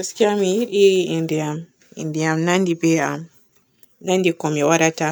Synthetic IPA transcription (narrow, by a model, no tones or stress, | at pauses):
askiamiiɗiindiam | ḭndiamnandibɛam | nandikɔmɛwaɾata